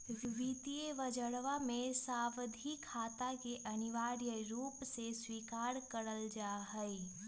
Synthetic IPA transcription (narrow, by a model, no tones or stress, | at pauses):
ʋit̪ijəʋəd͡ʒəɽʋamẽsaːʋd̪ʱikʰaːt̪akeʔɐnɪʋaːɾjəɾuːpseswiːkaːɾkəɾəld͡ʒaːɦəi